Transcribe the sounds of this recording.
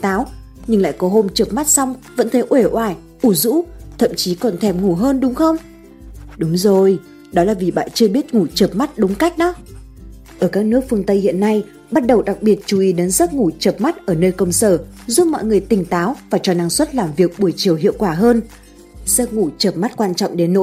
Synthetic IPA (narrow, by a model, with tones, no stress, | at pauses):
t̪aː˨˦w | ɲɨ˧ŋla̰ː˧˨jkɔ˨˦ɦo˧mt͡ɕə˨˩p̚ma˦˥t̚sa˧wŋ͡mvə̰˧˥nt̪ʰə˨˦jʔwe˧˩ʔwaː˧˩j | ʔu˧˩zṵ˧˥t̪ʰə̰˧˨mt͡ɕi˨˦kɔ˨˩nt̪ʰɛ˧˩mŋu˧˩ɦəː˧nɗʊ˨˦wŋ͡mxə˧wŋ͡m | ɗʊ˨˦ŋ͡mzo˨˩j | ɗɔ˨˦laː˨˩vi˨˩ɓa̰ː˧˨nt͡ɕɨ˧əɓi˦˥ət̚ŋu˧˩t͡ɕə˨˩p̚ma˦˥t̚ɗʊ˨˦ŋ͡mka˦˥jk̟̚ɗɔ˨˦ | ʔəː˧˩kaː˦˥k̚nɨ˦˥ək̚fɨ˧əŋt̪ə˧jhḭ˧˨ənːa˧j | ɓa˦˥t̚ɗə˨˩wɗa˨˩k̚ɓi˨˩ət̚t͡ɕu˧˩ʔi˨˦ɗe˨˦nzə˦˥t̚ŋu˧˩t͡ɕəː˨˩p̚ma˦˥t̚ʔəː˧˩nəː˧jkə˧wŋ͡msəː˧˩ | zu˦˥p̚mɔ̰˧˨jŋɨ˨˩əjt̪ï˨˩ŋ̟t̪aː˨˦wvaː˨˩t͡ɕɔ˧˩na˧˩ŋswə˦˥t̚laː˨˩mvi˨˩ək̚ɓu˧˩əjt͡ɕi˨˩əwhḭ˧˨əkwaː˧˩ɦəː˧n | z̥ə˦˥t̚ŋu˧˩t͡ɕəː˨˩p̚ma˦˥t̚kwaː˧nt͡ɕɔ̰˧˨wŋ͡mɗe˨˦nːo̰˧˥j